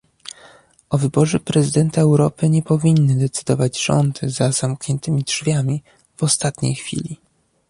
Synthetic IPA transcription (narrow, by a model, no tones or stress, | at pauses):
ʔɔvɘbɔʐɛpɾɛzɘd̪ɛnt̪aɛwɾɔpɘɲɛpɔvʲinːɘd̪ɛt̪sɘd̪ɔvad͡ʑʐɔ̰nd̪zaz̥amkɲɛnt̪ɘmʲidʐvʲjamʲi | vɔst̪at̪ɲḛjxfʲḭlʲi